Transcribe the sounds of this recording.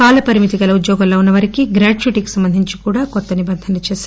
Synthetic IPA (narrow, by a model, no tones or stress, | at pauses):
aːlɐpɐɾimit̪iɡɐlɐud̪jɔːɡɐlːoːunːɐʋɐɾikiɡɾaːʈt͡ʃiʈiku̥sɐmbɐnd̪ʱiɲt͡ʃikuːɽaːkɔt̪ːɐnibɐnd̪ʱɐnɐt͡ʃeːsː